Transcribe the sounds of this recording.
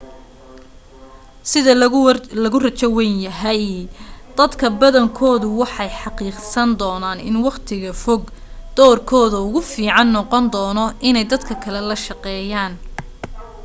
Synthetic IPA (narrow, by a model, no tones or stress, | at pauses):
sɪðɐlɐɣʊrɐt͡ʃɐwɛnjɐɦɛjd̪̥ɐd̪kʰɐbɐðɐŋkʰɔːðʊwɑħɑjħɑqiːqsɐnd̪ɔːnaːnɪ̰nwɑqt̪ʰɪɣɐfɔɡd̪̥ɔːrkʰɔːðɐʊɣʊfiːʕɑnːɔqɔnd̪ɔːnɔɪnɛjd̪ɐd̪kʰɐkʰɐlɛlɐʃɑqɛːjaːn